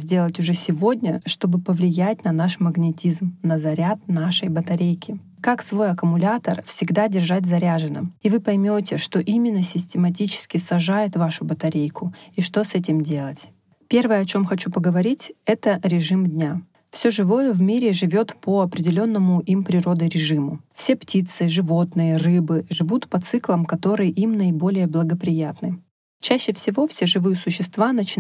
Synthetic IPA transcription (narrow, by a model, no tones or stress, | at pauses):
zʲdʲe̞lˠətʲʊʐɛsʲɪvo̞dʲnʲəʂt̪o̞bɨpəvlʲɪjætʲnɐnaʂməɡnʲɪtʲizmnəzɐɾʲat̪̚naʂəjbət̪ɐɾʲejkʲɪ | kaksvo̞jɐkəmʊlʲat̪ərfsʲɪɡd̪adʲɪrʐatʲzɐɾʲaʐɨnɨ̰mivɨpɐjmʲo̞tʲɪʂt̪o̞ʔimʲɪnːəsʲɪsʲtʲɪmɐt̬ʲit͡ɕɪ̥skʲɪsɐʐajɪt̪vaʂʊbət̪ɐɾʲejkʰʊiʂt̪o̞sɛtʲɪmdʲe̞lˠətʲ | pʲe̞rvəjəɐt͡ɕo̞mxɐt͡ɕupəɡəvɐɾʲitʲɛt̪əɾʲɪʐɨmdʲnʲa | fsʲoʐɨvo̞jəvmʲiɾʲɪʐɨvʲo̞t̪pəɐpɾʲɪdʲɪlʲo̞nːəmʊʔimpɾʲɪɾo̞d̪əɾʲɪʐɨmʊfsʲe̞ptʲit̪sɨʐɨvo̞t̪nɨjərɨbɨʐɨvut̪pɐt̪sɨklˠəmkɐt̪o̞ɾɨjəʔimnəɪbo̞lʲɪjəblˠəɡəpɾʲɪjat̪nɨ | t͡ɕæɕːɪfsʲɪvo̞fsʲeʐɨvɨjəsʊɕːɪst̪vanət͡ɕɪ